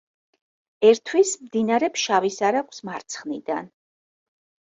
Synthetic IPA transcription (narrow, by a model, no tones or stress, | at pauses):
ɛɾt̪ʰwismd̪inaɾɛpsʃavisaɾakʷʰsmaɾt̪sʰχnid̪an